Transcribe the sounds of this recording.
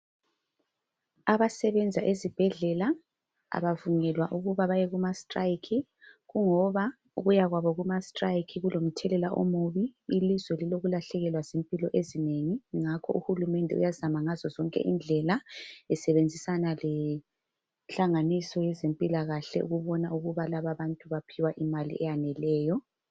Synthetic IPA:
aβasɛβɛnd͡zʱaʔezib̥ʱɛɮɛla | a̰βavuŋɛlwaʔuɣuβaβajɛɣumastʼrajkʰi | ɣuŋɔβa | uɣujaɣwaβɔɣumastʼrajkʰiɣulom̩tʰɛlɛlaʔo̰muβiːlizwɛliloɣulaɬɛɣɛlwazempʼilɔʔezineŋiŋakʰɔʔuhulumɛndʱɛ̰ṵjazamaŋazɔzɔŋkʼɛ̰ʔind͡ɮʱɛlaɛsɛβend͡zʱisanalɛ | ɬaŋanisɔjɛzempʼilaɣaɬɛ̰ʔṵɣuβɔnauɣuβalaβaβantʼuβapʰiwaʔimalḭʔɛjanɛlɛːjɔ

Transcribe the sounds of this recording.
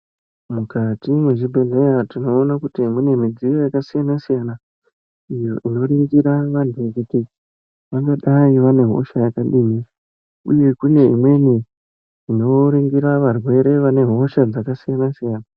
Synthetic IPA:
mukatimweʐibʱeɮejatino̞ːnakutimwenemid͡zijojakasijanasijana | ijoʔino̞riŋɡiɾaʋantʰuʋekuti | ʋaŋɡaɗaiʋane̞ɦo̞̰ʃajakaɗiːmi | uje̞kune̞ḭmwe̞ni | ino̞ɾiŋɡiɾaʋarwe̞ɾe̞ʋane̞ɦo̞ʃad͡zakasijanasijaːna

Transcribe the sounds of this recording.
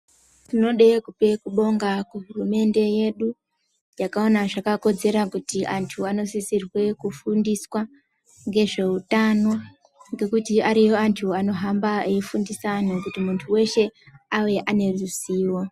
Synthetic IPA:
tino̞ɗe̞kupe̞kuɓo̞ŋɡakuɦurume̞nde̞je̞ɗu | jakao̞naʐakako̞d͡ze̞ɾakutiʔantʰuano̞sisirwe̞kufundiswa | ŋɡe̞ʐe̞utano̞ | ŋɡe̞kutiaɾijoantʰuano̞ɦambaeifundisanokutimuntʰuwe̞ʃe̞awe̞ʔane̞ruziːwo̞

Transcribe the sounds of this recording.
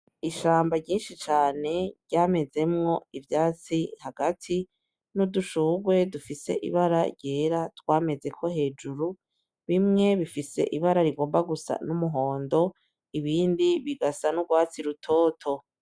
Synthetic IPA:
iʃaːmbaɟiːnʃit͡ʃaːne̞ɾɟaːme̞ze̞mŋo̞ivjaːt͡sihaɡ̥atʰi | nuduʃuːɡwe̞dufise̞̰ʔḭβaɾaɟeːɾatwaːme̞ze̞kʰo̞he̞ːd͡ʒuɾu | βimŋe̞βifise̞̰ʔiβaɾaɾiɡo̞ːmbaɡusa̰numuɦo̞ːndo̞ | iβiːndiβiɡasanuɡwaːt͡siɾutʰo̞ːtʰo̞

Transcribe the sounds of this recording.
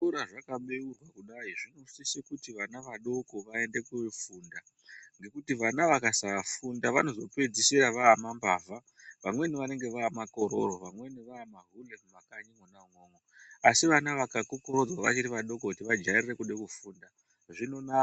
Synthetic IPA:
uɾaʐakaɓe̞urwakuɗaiʐino̞sisekutiʋanaʋaɗo̞ko̞ʋae̞nde̞keʋefuːnda | ŋɡe̞kutiʋanaʋakasaʋafundaʋano̞zo̞pe̞d͡zisiɾaʋaːmambaːva | ʋamwe̞niʋane̞ŋɡe̞ʋaːmako̞ɾo̰roʋamwe̞niʋaːmaɦulemʋakaɲimonaŋoːŋo | asiʋanaʋakakukuro̞d͡zwaʋa̰t͡ʃiɾiʋaɗo̞k̬o̞kutiʋad͡ʒairire̞kuɗekufuːnda | ʐino̞na

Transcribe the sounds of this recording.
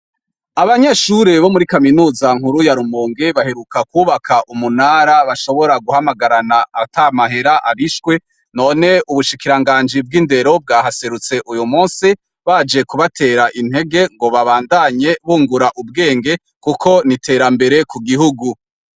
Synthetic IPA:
aβaɲeʃuɾeβo̞muɾikaminuːzaŋ̥huɾujaɾumoːŋɡeβahe̞ɾukakuːβakʰaʔumunaːɾaβaʃo̞βo̞ɾaɡuhamaɡaɾanaatamaɦe̞ɾaʔaβiʃkwe̞ | no̞ːne̞ʔuβuʃikiɾaŋɡaːnd͡ʒib̚ɡinde̞ɾo̞b̚ɡaːɦase̞ɾut͡se̞ʔujumuːnsi | βaːd͡ʒe̞kuβatʰe̞ːɾaʔin̥heɡe̞ŋɡo̞βaβaːndaɲe̞βuːŋɡuɾaʔub̚ɡe̞ːŋɡe̞ | kukʰo̞nitʰe̞ːɾambe̞ɾe̞kuɡiɦuɡu

